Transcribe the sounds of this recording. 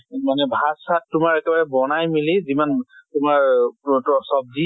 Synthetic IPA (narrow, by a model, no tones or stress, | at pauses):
manɛbʱasat̚tʊmaɹɛkɛbaɹɛbɔnajmilizimantʊmaɹtɔsɔb̚di